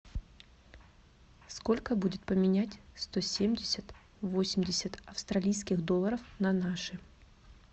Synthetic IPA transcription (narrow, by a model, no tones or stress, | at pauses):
sko̞lʲkəbudʲɪt̪̚pəmʲɪnʲætʲst̪o̞sʲemʲdʲɪsʲət̪ | vo̞sʲɪmʲdʲɪsʲət̪ɐfst̪ɾɐlʲijskʲɪxd̪o̞lˠːəɾəfnɐnaʂɨ